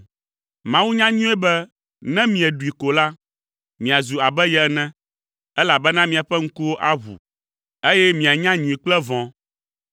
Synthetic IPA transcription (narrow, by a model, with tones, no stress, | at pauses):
mã˦wu˦ɲã˦ɲũ˦ɛ˦bɛ˦ | nɛ̃˦mĩ˨ɛ˨ɖu˨i˨ko˨la˦ | mĩ˨a˨zu˨a˨bɛ˦jɛ˨ɛ˨nɛ̃˦ | ɛ˦la˨bɛ˦nã˦mĩ˨a˨ɸɛ˦ŋ̩˦ku˦wo˦ʔa˦ɦṵ˨ | e˦jɛ˦mĩ˨a˨ɲã˦ɲũ˨ĩ˨k͡plɛ˦vɔ̃˦